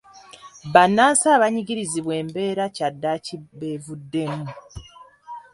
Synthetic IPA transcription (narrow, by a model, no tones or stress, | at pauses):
βanːaːnsaːβaɲiɟiɾiziβwe̞ːmbe̞ːɾacadːaciβevudːe̞mu